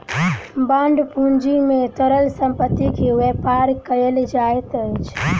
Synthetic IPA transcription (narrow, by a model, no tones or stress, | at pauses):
bãːɳɖpũnd͡ʒimẽt̪əɾəlsə̃mpət̪ːikʰeʋepaɾkəeld͡ʒaet̪ət͡ʃʰ